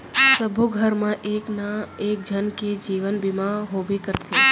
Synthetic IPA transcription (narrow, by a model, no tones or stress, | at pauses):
səbʱuɡʱəɾmãʔeːknaeːk̚d͡ʒʱənked͡ʒiːʋənbɪmãɦobikəɾt̪ʰe